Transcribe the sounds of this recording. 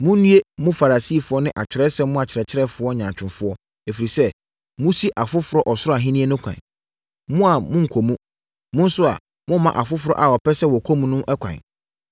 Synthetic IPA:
mʊ̃˦nũ˦e˦mʊ̃˦fa˨ɾa˨siː˦˨fʊ˨˦ɔ˦nɪ̃˦ʔa˨t͡ɕʰɪ˨ɾɛ˦sɛ̃˦mʊ̃˦a˨t͡ɕʰɪ˨ɾɛ˨t͡ɕʰɪ˦ɾɛ˦fʊ˨˦ɔ˦˨ɲã˨t͡ɕᶣɪ̃˨nfʊ˦ɔ˦ | e˨fi˨ɾi˨sɛ˦ | mʊ̃˦si˦ʔa˨fʊ˦fʊ˨ɾɔ˦ʔɔ˨sʊ˦ɔ˦a˨ɦĩ˦nĩ˦e˦nʊ̃˦kʷʰã̰˨n | mʊ̃˦a˨mʊ̃˦ŋ̩˨kʰo˨mũ˦ | mʊ̃˦n̩˦sʊ˦a̰˨ | mʊ̃˦mã̰˨ʔa˨fʊ˦fʊ˨ɾɔ̰˦ʔa˨ɔ˨pʰɛ˦sɛ˦wɔ˨kʰo˦mũ˦nʊ̃˦ʔɛ˦kʷʰã̰˨

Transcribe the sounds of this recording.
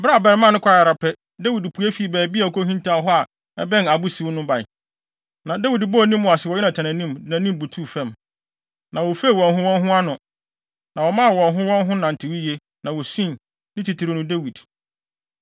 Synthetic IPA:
bɾa˦˨bɛ˨ɾmã˦nʊ̃˦kʷʰa˦˨a˨ɾa˨pʰɛ˦ | de˦wi˨dpʰu˨e˦fi˨bɛː˨bi˦a˨ko˦ɦĩ˦ntʰã˨˦ɦɔ˦a˨ | ɛ˦bɛ̃˦na˨bʊ˦si˨wʊ˦nʊ̃˦ba˨ | nã˨da˦wi˨dbɔ˦˨nĩ˦mː˦ʊ̃˨a˨sɪ˨wɔ˨jɛ˦nã˨tʰã˨nã˨nĩ˦mdɪ˨næ̃˨nĩ˦m˨bu˨tʰu˦˨fɛ̃˦˨m | nʔã˨wo˨fe˦i˨wɔ̃˨nɦʊ̃˦wɔ̃˦nɦʊ̃˦a˦nʊ̃˨ | nã˨wɔ˨mã˦a˨wɔ̃˨nɦʊ̃˦wɔ̃˦nɦʊ̃˦nã˨n̩˨tʰɪ˨wi˦je˦ | nã˨wɔ˨sĩ˦n | nɪ̃˦tʰi˨tʰi˨ɾɪ˨nʊ̃˦de˦wi˨d

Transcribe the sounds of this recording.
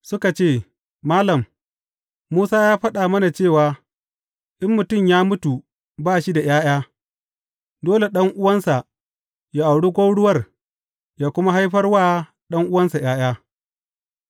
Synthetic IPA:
sʊ˦ka˨t͡ʃeː˦˨ | maː˦lɐ˨m | muː˦saː˦jaː˦ɸɐ˦ɗaː˨mɐ˦na˨t͡ʃeː˦˨waː˨ | ʔɪ˦mːʊ˨tʊ˦˨mjaː˦mʊ˦tu˨ | baː˦˨ʃi˦da˨jaː˦j̰aː˦ | doː˦le˨ɗɐ˦ŋʔʊ˦wɐ˦nsa˨ʔ | jaː˦ʔa˨wɽu˦ɡʷo˦ɽʊ˦wɐ˦˨r | jaː˦kʷʊ˦ma˦ɦa˦jɸɐ˦rwaː˦ | ɗɐ˦ŋʔʊ˦wɐ˦nsa˨j̰aː˦j̰aː˦

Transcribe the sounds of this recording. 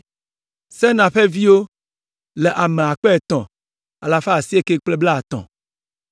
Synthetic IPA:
sɛ˦nã˨ɸe˦vi˦wo˦ | le˨ʔa˨mẽ˨a˨k͡pe˦e˨t̪ɔ̃˨ | a˨la˦fe˦a˨si˦e˦ke˦k͡ple˦bla˦a˨t̪ɔ̰̃˨

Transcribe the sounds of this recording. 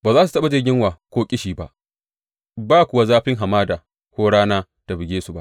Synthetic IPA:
baː˨zaː˦s̬u˨tɐ˦ɓa˨d͡ʒɪ˦rɡʲɪ˦ŋwaː˨kʷoː˦kʲʼɪ˦ʃiː˨ba̰˨ʔ | baː˦˨kʷʊ˨wa˦zaː˦ɸɪ˦ŋɦa˨maː˦da˨ | kʷoː˦ɽaː˦naː˦ | ta˨bɪ˨ɡʲeː˦su˨ba˦˨ʔ

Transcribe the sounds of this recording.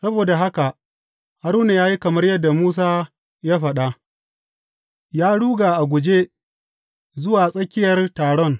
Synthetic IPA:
sɐ˦boː˨da˨ɦa˦ka˨ | ha˦ɾuː˦na˨jaː˦ji˦kɐ˨mɐ˦rjɐ˦dːa˨muː˦s̬aː˦ | ja˦ɸɐ˨ɗa˦ | jaː˦ɽuː˦ɡaː˨ʔa˨ɡʷʊ˨d͡ʒe˦ | zʊ˦waː˨sʼɐ˦kʲɪ˦jɐ˨rtaː˨ɽɔ˦˨n

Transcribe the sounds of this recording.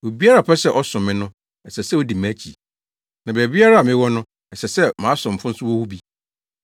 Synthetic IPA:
wo˨bi˦a˦ɾa˨pʰɛ˦sɛ˦ʔɔ˦sʊ̃˨mɪ̃˦nʊ̃˦ | ɛ˨sɛ˨sɛ˦wo˦di˨mæ̃˦t͡ɕʰḭ˨ | nã˨bɛ˨bi˦a˦ɾa˦˨mɪ̃˦wɔ˦nʊ̃˦ | ɛ˨sɛ˨sɛ˦mã˨˦sʊ̃˨m̩˨fʊ̃˦n̩˦sʊ˦wɔ˦hu˦bi˦

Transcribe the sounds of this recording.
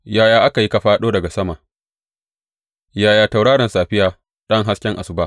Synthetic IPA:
jaː˦jaː˨ʔa˦ka˨ji˦ka˦ɸaː˦ɗoː˦dɐ˨ɡa˨sɐ˦ma˨ | jaː˦˨jaː˨ta˨wɽaː˦ɾɐ˨nsaː˨ɸɪ˦jaː˨ | ɗɐ˦ŋɦa˦skʲɛ˦ŋʔa̰˨sʊ˨baː˦

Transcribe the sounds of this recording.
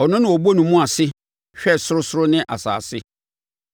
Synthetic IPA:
ɔ˨nʊ̃˦nɪ̃˨wɔ˨bo˦nũ˨mũ˦a˨sɪ˦ | ɕᶣɛ˦˨sʊ˦ɾʊ˦sʊ˦ɾʊ˦nɪ̃˦ʔa̰˨sa̰ː˨sɪ˦

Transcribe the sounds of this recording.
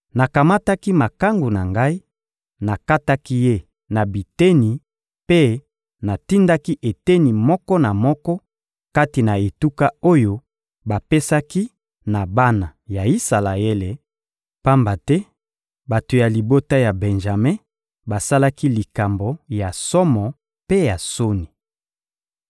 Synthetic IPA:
na˨ka˨ma˦ta˦ki˦ma˨ka˦ŋɡu˨na˨ŋɡa˦i˦ | na˨ka˦ta˦ki˦je˦ | na˨bi˨te˦ni˨ | pe˦ | na˨ti˦nda˦ki˦ʔe˨te˦ni˨mɔ˦kɔ˦na˨mɔ˦kɔ˦ | ka˦ti˨na˨e˨tu˦ka˦o˦jo˦ | ba˨pe˦sa˦ki˦ | na˨ba˦na˨ja˨i˦sa˨la˨e˦le˨ | pa˦mba˨tɛ˦ | ba˨to˨ja˨li˨bo˦ta˦ja˨bɛ˨nʒa˨mẽ˦ | ba˨sa˦la˦ki˦li˨ka˨mbo˨ja˨sɔ˦mɔ˨ | pe˦ja˨so˦ni˨

